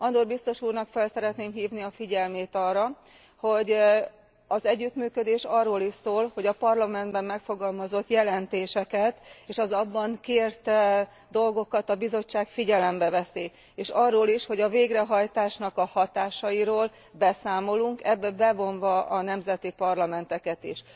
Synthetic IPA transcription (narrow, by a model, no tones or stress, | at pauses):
ɒnd̪orbist̪o̞ʃuːrnɒkfɛlsɛɾɛt̪neːmɦiːvniɒfiɟɛlmeːt̪ɒrːɒ | ho̞ɟ | ɒzɛɟːyt̪myːkød̪eːʃɒrːoːliʃsoːlho̞ɟɒpɒrlɒmɛnd̪bɛmːɛkfo̞ɡɒlmɒzo̞t̪jɛlɛnt̪eːʃɛkɛt̪eːʃɒzɒbːɒŋkeːrt̪ɛ | d̪o̞lɡo̞kɒt̪ɒbizo̞t͡ʃːaːkfiɟɛlɛmbɛvɛsiː | eːʃɒrːoːliʃho̞ɟɒveːɡrɛɦɒjt̪aːʃnɒkɒhɒt̪aːʃɒjiɾoːl | bɛsaːmo̞luŋkɛbːɛbɛvo̞ɱvɒʔɒnɛmzɛt̪ipɒrlɒmɛnt̪ɛkɛt̪ḭʃ